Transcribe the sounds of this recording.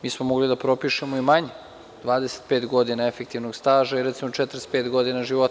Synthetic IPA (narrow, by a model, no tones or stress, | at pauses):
miːsmomoɡlid̪apɾo̞piːʃemoimaɲe | d̪̥ʋaːd̪ese̥t̪̚peːt̪ɡo̞d̪inaefekt̪iʋnoɡst̪aːʒaiɾɛt̪simot͡ʃɛt̪ɾespeːt̪ɡo̞d̪inaʒiʋot̪